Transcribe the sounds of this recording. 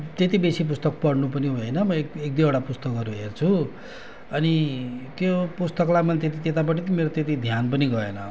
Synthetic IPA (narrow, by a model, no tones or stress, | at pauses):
t̪et̪ibesip̬ust̪ʌk̚pʌɽnupʌniɦoenʌmʌekek̚d̪ioɽapust̪ʌkʌɾuɦert͡sʰu | ʌnit̪jopust̪ʌklamʌnt̪et̪̬it̪et̪apʌʈit̪imeɾot̪et̪̬id̪ʱjanpʌniɡʌḛnʌ